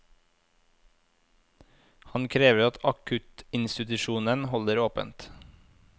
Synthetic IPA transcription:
hɑnkʰɾeːʋəɾɑt̪ʰɑkʰʉt̪ɪnst̪ɪt̪ʉʃuːnənhɔləɾoːpə̰nt̪

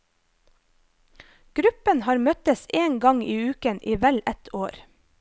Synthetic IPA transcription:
ɡ̥ɾʉpənhɑːɾmœt̪əseːŋɡɑŋiːʉːkənʔiːʋɛlɛt̪ʰoːɾ

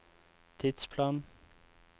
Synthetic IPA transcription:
t̪ʰɪd̪̥spʰlɑːn

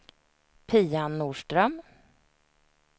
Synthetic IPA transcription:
pʰiːanːuːʂʈɾœm

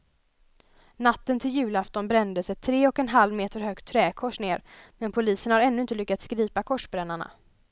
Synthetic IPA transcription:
nat̪ːənt̪ʰɪljʉ̟ːlaft̪ɔnbɾɛnd̪əsɛt̪ʰːɾeːɔkɛnɦalvmeːt̪əɾɦœːɡ̚t̪ʰːɾɛːkʰɔʂneːɾmɛnpʰʊliːsənhaɾɛnːɵɪnt̪əlʏkːat̪skɾiːpakʰɔʂbɾɛnːaɳa̰

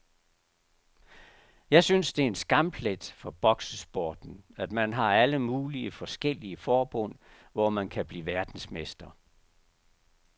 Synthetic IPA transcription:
jɑ̈ɪsynsd̥e̝æɐe̝nsɡ̥ɑ̈mb̥ʰled̥fɒ̽b̥ɒ̽ɡ̥səsb̥ɔːd̥n̩æd̥mænɦɑ̈æləmuːliəfɒ̽sɡ̥el̰iəfɒːb̥ɔ̽n̰ | ʋɒmænkʰæb̥liːʋæɐd̥n̩smesd̥ɐ

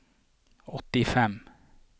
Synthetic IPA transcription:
ɔt̪ːɪfɛm

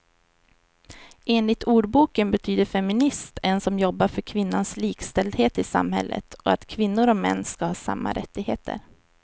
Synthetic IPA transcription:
ʔeːnlɪt̪ʰuːɖbuːkənbɛt̪ʰyːd̪əɾfɛmɪnɪst̪ʰɛnsɔmjɔbːaɾfœɾkʰvɪnːansliːkst̪ɛld̪heːt̪ɪsa̰mhɛ̰lːʔə̰t̪ʰɔ̰at̪kʰvɪnːʊɾɔmɛ̰nːskahɑːsa̰mːa̰ɾʔɛt̪ːɪɡhḛːt̪ʰə̰ɾ

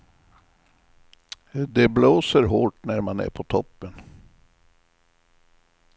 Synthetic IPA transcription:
d̪ɛbloːsəɾɦoːʈnæɾmanæ̰ɾpʰɔt̪ʰɔpːən

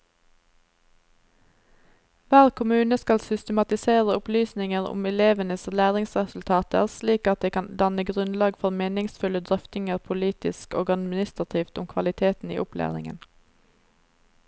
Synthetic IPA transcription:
ʋæːʁkʰʊmʉːnəskɑlsʏst̪əmɑt̪ɪseːʁəʊplyːsnɪŋəʁʊ̰mɛleːʋənəslæːʁɪŋsʁɛsʉl̩t̪ʰɑːt̪ə̰ʁsliːkɑt̪̚d̪eːkʰɑnd̪ɑnəɡʁʉnlɑːɡfɔʁmeːnɪŋsfʉləd̪ʁœft̪ɪŋəʁpʰʊliːt̪ɪ̰sko̰ːɡɑd̪mɪnɪst̪ʁɑt̪ʰiːft̪ʊmkʰʋɑlɪt̪ʰeːt̪n̩ḭːʔʊplʔæ̰ːʁɪ̰ŋə̰n

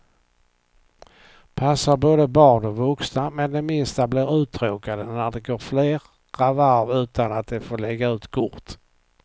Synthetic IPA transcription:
pʰasːaɾboːd̪əbɑːɳɔvɵksnamɛnd̪ɛmɪnst̪ablɪɾʉ̟ːt̪ʰɾoːkad̪ənæɖɛɡoːɾfleːɾː | avaɾvʉ̟ːt̪anat̪̚d̪ɛfoːɭɛɡːaʉ̟ːt̪kʰʊɾt̪

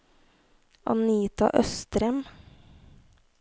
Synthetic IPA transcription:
ʔɑ̰niːt̪ɑ̰ʔœst̪ɾɛm

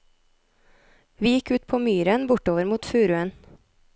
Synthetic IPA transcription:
ʋiːjɪkʉːt̪̚pʰoːmyːɾənbʊʈoːʋəɾmuːt̪fʉːɾʉən

